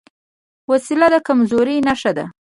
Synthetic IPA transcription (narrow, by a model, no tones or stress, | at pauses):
wasilad̪əkamzoɾinaʃad̪a̰